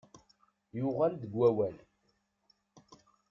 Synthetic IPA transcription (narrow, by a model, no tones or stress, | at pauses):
jʊʁald̪ðəɡwæwæl